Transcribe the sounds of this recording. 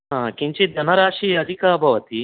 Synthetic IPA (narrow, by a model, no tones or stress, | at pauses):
ɦãːkiɲt͡ʃid̪ʱɐnɐɾaːʂiːɐd̪ʱikaːbʱɐʋɐt̪i